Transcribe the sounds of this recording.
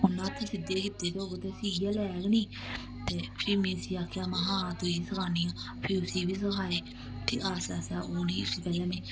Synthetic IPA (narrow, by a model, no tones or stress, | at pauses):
ʊnːãːət̪ʰːeːsɪd̪eːkɪt̪eːkoɡot̪eːsiːjaːlɛːɡniː | t̪eːpʰɪɾmĩːsiːaːkʰːaːmaɦãːt̪oːiːsəkʰaːniːãː | pʰɪɾʊsiːbiːs̬əkʰaːeː | t̪ḭʔaːsaːsaːʔoːniːʊsiːk̪aːlaːmeː